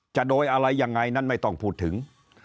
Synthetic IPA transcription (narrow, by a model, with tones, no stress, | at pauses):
t͡ɕa˨˩ʔdoː˧jʔa˧ɾa˧jːaː˧ŋːa˧jna˥˩nma˥˩jt̪ɔ˥˩ŋpʰuː˥˩t̪ʰːɯ˩˦ŋ